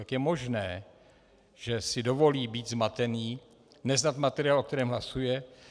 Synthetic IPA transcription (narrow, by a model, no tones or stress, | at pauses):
akjɛmo̞ʒnɛː | ʒ̥ɛsɪdo̞vo̞liːbiːt̪zmat̪ɛniː | nɛznat̪mat̪ɛɾɪaːlʔok̚t̪ɛɾɛːmɦlasujɛ